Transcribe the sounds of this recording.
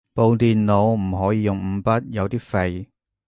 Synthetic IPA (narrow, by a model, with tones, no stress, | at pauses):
po˧wt̪iː˨nno˨˧wm̩˨˩ɦɔː˨˥jiː˨˧jʊ˨ŋm̩˨˧˥pɐ˥t̚jɐ˨˧wt̪iː˥fe˧j